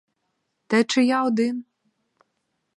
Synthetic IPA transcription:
t̪ɛt͡ʃɛjaɔd̪ɪn

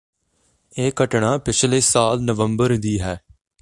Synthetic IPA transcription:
eːkəʈɳaːpɪt͡ʃʰleːsaːlnəʋəmbəɾd̪iːɦɛː

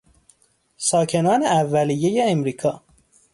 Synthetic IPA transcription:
sɒːcʰe̞nɒːneævːælijejeːmɾiːkʰɒː

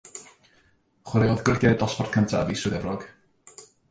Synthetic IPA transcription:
χwəɾeɔðɡrɪɡɛdɔsfɔrd̥kʰəntʰa̰visɨðɛvrɔɡ̥

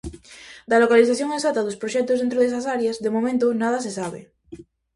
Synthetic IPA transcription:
d̪alokaliθaθjoŋesat̪aðospɾoʃɛk̚t̪ozðent̪ɾoðesasaɾjazðemomẽnt̪onað̞as̬esaβ̞ḛ

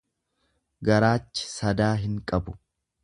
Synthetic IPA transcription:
ɡɐɾaːt͡ʃːɪ̥sɐd̪aːɦɪŋkʼɐbʊ̥

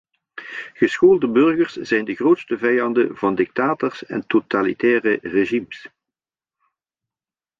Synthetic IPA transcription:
ɣəsxoːlˠdəbɵrɣərsz̥ɛjndəɣroːtstəvɛjɑndəvɑndɪk̚taːtərsɛ̰ntotalḭtɛːrəreʒims

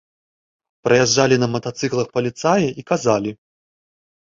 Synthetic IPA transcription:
pɾɐjaʐːalʲinɐmɐt̪at̪sɨklˠɐxpɐlʲit̪sajɐʔikazalʲi

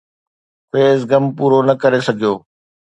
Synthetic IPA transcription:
peːzɡɐmpuːɾonɐkɐɾesɐɡʱijoː

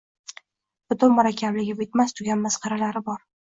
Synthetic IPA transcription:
b̥ʊt̪ʊnmʊɾakʲʰːablɪɡʲabɪt̪mast̪ʰʊɡʲanmasqʰɑɾalaɾɪbɒɾ

